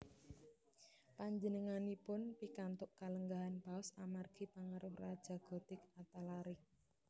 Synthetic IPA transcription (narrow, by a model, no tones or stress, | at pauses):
paɲd͡ʒənəŋanipʊnpikant̪ʊʔkaləŋɡaɦanpaʊsamarɡ̥i̤paŋaɾʔʊprad̥ʒ̥a̤ɡ̥ɔ̤d̪̥ɪkat̪alaɾɪk̚